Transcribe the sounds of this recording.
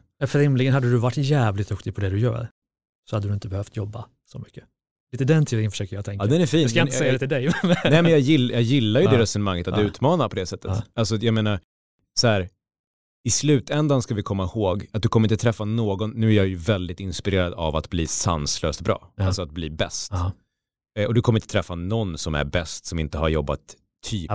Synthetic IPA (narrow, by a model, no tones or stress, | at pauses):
ɛfɾɪmlɪɡənhad̪ːəd̪ɵvaʈːjæːvlɪt̪̚d̪ɵkt̪ɪɡpʰɔd̪ɛd̪ɵjœ̰ːɾ | sɔhad̪əd̪ɵɪnt̪əbɛhœft̪jɔbːa̰ | sɔmʏkːə | liːt̪əd̪ɛnt̪ʰiːd̪ɪŋənfə̥ʂøːkəɾjat̪ʰɛŋkːdaɛnæɾfiːnskaɪəsɛjːad̪ɛt̪ɪld̪ɛjnɛːmɛnjɑjɪlːjɑjɪlːaɾjɵd̪ɛɾɛsɔnəmaŋːət̪atd̪ɵʉ̟ːt̪mɑːnaɾpʰɔd̪ɛsɛt̪ːətalsɔjɑɡmeːnaɾ | sɔhæːɾ | ɪslʉ̟ːt̪ɛnd̪anskavɪkʰɔmːahoːɡat̪̚d̪ɵkʰɔmːəɾɪnt̪ət̪ʰɾɛfːanoːɡɔnːʉ̟ːæɾjajɵvɛld̪ɪt̪ɪnspɪɾeːɾad̪ava̰t̪bliːsa̰nsløːst̪bɾɑ̰ːalsɔat̪̚bliːbɛst̪ | ɔd̪ɵkʰɔmːɾɪnt̪ət̪ʰɾɛfːanɔnːsɔmæ̰ɾbɛst̪sɔmɪnt̪əhaɾjɔbːa̰t̪ʰː | yː